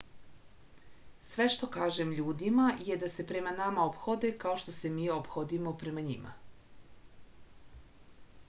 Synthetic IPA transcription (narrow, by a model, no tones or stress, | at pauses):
sʋe̞ʃt̪o̞kaːʒemʎuːd̪imaje̞d̪ase̞pɾe̞manamaopxod̪e̞kao̞ʃt̪o̞se̞miːopxod̪imo̞pɾe̞maɲima̰